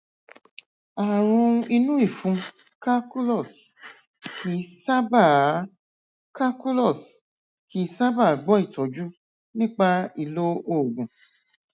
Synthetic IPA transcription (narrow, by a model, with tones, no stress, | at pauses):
a˨ɾ̃ũ˧i˧nũ˦i˦˨fũ˨˧ | ka˦ku˦lɔ˦˨s | kʰi˨˦sa˦ba˨ | ka˦ku˦lɔ˦˨s | ki˨˦sa˦ba˦˨ɡ͡bɔ˦i˦˨tɔ˨˦d͡ʒu˦ | nĩ˦k͡pa˧i˧lo˦o˦˨ɡũ˨